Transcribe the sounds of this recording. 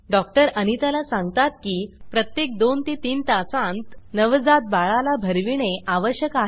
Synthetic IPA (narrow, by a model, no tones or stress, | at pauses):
ɖɔk̚ʈəɾənit̪alasãŋɡt̪at̪̚kiːpɾət̪jek̚d̪ont̪it̪iːnt̪asãnt̪nəʋd͡zat̪̚baɭalabʱəɾʋiɽ̃eʔaʋəɕjəkaɦ